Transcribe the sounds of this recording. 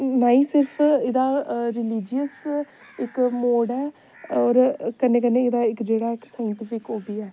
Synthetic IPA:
naːĩːsɪɾpʰɪd̪aːɾɪliːd͡ʒijəs | ɪkmoːɖɛː | ɔːɾkənːẽːkənẽːɪd̪aːɪkd͡ʒeːɽaːɪksaːjəɳʈɪpʰɪkoːbiːɛː

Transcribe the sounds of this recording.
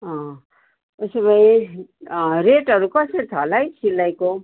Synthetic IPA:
ʌ̃ | esʌbʌj̃ | ɾeʈɦʌɾukʌsʌɾit̪ʰʌlajt͡sʰilːajko

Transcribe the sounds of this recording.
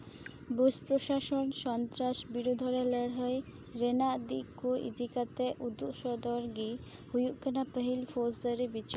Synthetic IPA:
buspɾoʃaʃonʃɔnt̪ɾaʃbiɾud̪ʱɔɾeləɽɦɔj | ɾenad̪ḭkːuḭd̪ikat̪eʔud̪ːuʃɔd̪oɾɡi | hujuʔkənapəɦilfosd̪aɾibit͡ɕɔ

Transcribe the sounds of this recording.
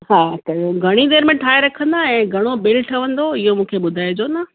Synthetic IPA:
ɦaːt̪ɐoɡʱɐɽ̃id̪eːɾmẽʈʰaːeɾɐkʰə̃nd̪aɛ̃ːɡʱɐɽ̃obɪlʈʰɐʋə̃nd̪oɪɦomũːkʰeɓʊd̪ʱaːed͡ʑona

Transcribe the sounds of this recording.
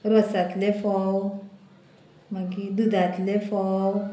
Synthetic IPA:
ɾosat̪lefɔw | maɡidɨd̪at̪lefɔw

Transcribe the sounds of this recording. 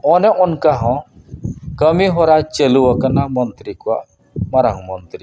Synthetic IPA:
ɔnɛʔɔnkaɦɔ̃ | kamiɦɔɾḁd͡ʒ̥ə̤luwɔkənamɔnt̪ɾikuaʔ | maɾaŋmɔnt̪ɾi

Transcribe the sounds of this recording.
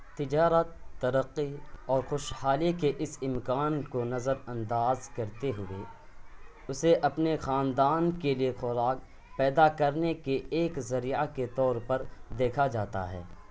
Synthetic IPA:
t̪ɪd͡ʒaːɾət̪ːɐɾəqːiɔːɾxʊʃhaːlikeʔɪsɪmkaːnkonɐzəɾɐ̃nd̪aːzkɐɾt̪eɦʊḛ | ʊseʔɐpnexaːnd̪aːnkeliexʊɾaːk̚ | pɛːd̪akɐɾnekeːkzɐɾijaket̪ɔːɾpɐɾd̪eːkʰad͡ʒaːt̪a̰ɦɛ̰ː

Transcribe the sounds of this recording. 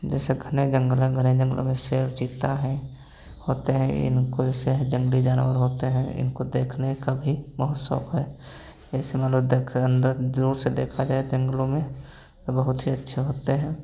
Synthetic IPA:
d͡ʒɛːseɡʱəned͡ʒə̃ŋɡəlẽɡʱəned͡ʒə̃ŋɡəlʔõ̰mẽseːbd͡ʒiːt̪aɦɛ̃ | hoːt̪eɦɛ̃ɪ̰nkod͡ʒɛːseɦd͡ʒə̃ŋɡəlid͡ʒaːnwəɾɦoːt̪eɦɛ̃ɪ̰nkod̪eːkʰnekabʱiməɦət̪sə̰fɦɛː | ɛsemət̪ləbd̪ekʰənd̪əd̪ɾuːɾsed̪ḛːkʰad͡ʒaːed͡ʒə̃ŋɡlõmẽ | bəɦʊt̪ɦiətːʃʰeɦoːt̪eɦɛ̃ː

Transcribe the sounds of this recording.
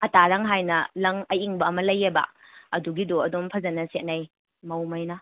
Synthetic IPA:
ɐtaɾaŋɦajnɐlɐŋɐjʔiŋbɐːmɐlɐjːebɐ̰ | ɐduɡidoɐdɔmpʰɐzɐnɐset̚naj | mɐwmɐjnɐ

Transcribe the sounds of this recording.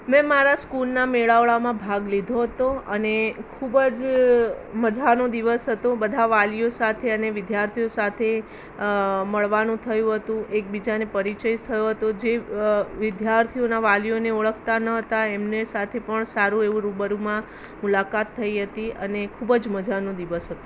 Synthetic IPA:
mɛ̃maɾaskulnameɭaʋɭamãbʱaɡlid̪ʱoɦət̪oənekʰubəd͡ʒ | məd͡ʒʱanod̪iʋəsɦət̪obəd̪ʱaʋalijosat̪ʰeəneʋɪd̪jaɾt̪ʰijosat̪ʰe | məɭʋanũt̪ʰəjũɦət̪ũʔek̚bid͡ʒanepəɾit͡ʃəjt̪ʰəjoɦət̪od͡ʒeʋɪd̪ʱjaɾt̪ʰionaʋalijoneoɭəkʰt̪anəɦət̪aemnesat̪ʰepəɳsaɾũeʋũɾubəɾumã | mulakat̪ʰːəiɦət̪iənekʰubəd͡ʒməd͡ʒʱanõd̪iʋəsɦət̪õ

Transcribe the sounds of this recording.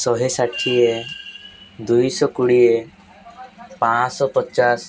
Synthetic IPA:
sɔɦesaʈʰːie | d̪ujsɔkuɽie | pãsɔpɔt͡ʃas

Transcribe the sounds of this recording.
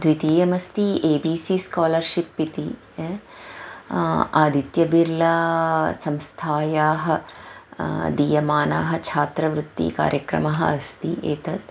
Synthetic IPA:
d̪ʋit̪iːjɐmɐst̪ieːbiːsiskaːlɐɾʃipːit̪i | aːd̪ʱit̪jɐbiɾlɐsɐmst̪ʰaːjaːɦɐ | d̪iːjɐmaːna̰ːɦɐ̆t͡ʃʰaːt̪ɾɐʋɾut̪ːḭka̰ːɾjɐkɾɐ̰mɐɦɐ̰ɐst̪ḭeːt̪ɐt̪

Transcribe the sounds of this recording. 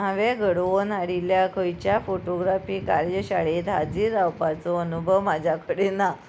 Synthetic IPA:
aʋɛɡəɽʋonaɽiljakʰəjt͡ɕjafoʈoɡɾafiːkaɾjɕaɭet̪ɦad͡ziːɾːawpat͡sɔənubʱəʋmad͡ʑʱjakəɽena

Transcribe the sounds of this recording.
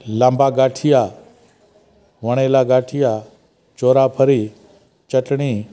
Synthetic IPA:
lãmbaɡaʈʰija | ʋəɽ̃elaɡaʈʰija | t͡ʃoɾapʰəɾi | t͡ʃəʈɳ̃i

